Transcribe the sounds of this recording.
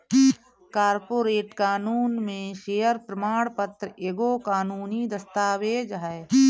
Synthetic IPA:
kaːɾpoːɾeːʈkaːnuːnmẽʃeːəɾpɾəmaːɽ̃pət̪ɾəeːɡoːkaːnuːnid̪əst̪aːʋeːd͡ʒɦɛe

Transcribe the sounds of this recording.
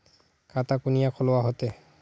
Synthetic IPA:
katakunijakʰɔlowaɦɔt̪ɛ

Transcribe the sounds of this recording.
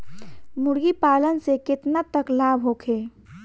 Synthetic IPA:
mʊɾɡipaːlənsekɪt̪nat̪əklaːbʱɦoːkʰeː

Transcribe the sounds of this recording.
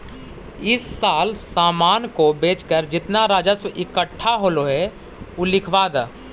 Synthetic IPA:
ɪsːaːlsaːmaːnkobeːt͡ʃkəɾd͡ʒɪt̪naɾaːd͡ʒəsʋəʔɪkəʈʰːaɦoːloɦɛ | ʊlɪkʰʋaːd̪

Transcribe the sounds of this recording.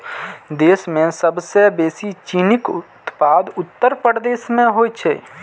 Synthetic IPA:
d̪eːsmẽsəbsebeːsit͡ʃiːnɪkʊt̪paːd̪ʊt̪ːəɾpəɾd̪eːʃmẽɦoːjt͡ʃʰḛː

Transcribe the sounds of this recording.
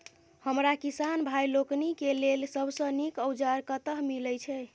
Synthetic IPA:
həmɾakisanbʱajloknikelelsəbʱsə̃nikəwd͡ʒaɾkət̪əɦmilɛt͡ʃʰɛ

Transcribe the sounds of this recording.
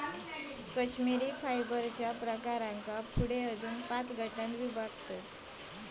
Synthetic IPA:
kəɕmiɾiːfajbəɾt͡ɕjapɾəkaɾãŋkapʰuɽeəd͡zuːnpãt͡sɡʱəʈãnʋibʱaɡt̪ə

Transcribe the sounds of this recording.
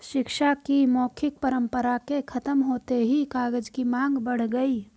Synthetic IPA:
ʃɪkʃakimɔːkʰɪk̚pəɾə̃mpəɾakekʰət̪əmɦoːt̪eɦikaːɡəd͡ʒkimãːŋɡbəɽ̤ɡəi

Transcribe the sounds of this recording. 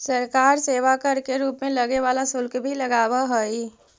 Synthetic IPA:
səɾkaːɾseːwakəɾkeɾuːpmẽləɡeʋaːlasʊlkbʱiləɡaːwaɦoi

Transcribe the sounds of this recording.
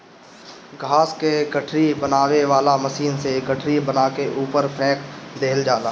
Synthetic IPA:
ɡʱaːskeɡəʈʰɾibənaːweʋaːlaməʃiːnseɡəʈʰɾibənaːkeʔuːpəɾpʰɛ̃ːkd̪eːld͡ʒaːlaː

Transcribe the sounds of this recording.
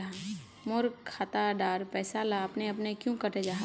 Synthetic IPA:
a | mʊɾkkʰːaːt̪aɖaːɾpɛːsalaɐpneɐpnekjũkəʈed͡ʒaɦa

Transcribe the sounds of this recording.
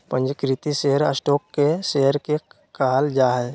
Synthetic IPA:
pə̃ɲd͡ʒkɾɪt̪iseɦəɾə̰sʈoːkːeseːəɾke | kaːld͡ʒaːɦɛ

